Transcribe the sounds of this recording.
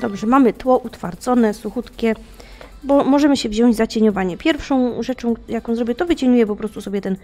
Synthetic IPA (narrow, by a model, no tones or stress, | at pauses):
d̪ɔbʐɛmamɘt̪wɔʔut̪faɾt̪sɔnɛsuxut̪kʲɛ | bɔmɔʐɛmɘɕɛvʑɔ̃ɲd͡ʑzat͡ɕeɲɔvaɲɛpʲjɛɾfʂɔ̃w̃ʐɛt͡ʂɔ̃w̃jakɔ̃w̃zɾɔbʲɛt̪ɔvɘt͡ɕeɲujɛpɔpɾɔst̪usɔbʲjɛt̪ɛn